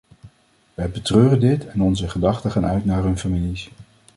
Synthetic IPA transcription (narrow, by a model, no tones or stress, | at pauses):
ʋɛjbətrøːrəndɪtʰɛnɔnzəχədɑχtəχaːnœ̰ɥtnaːɹɦɵnfamilis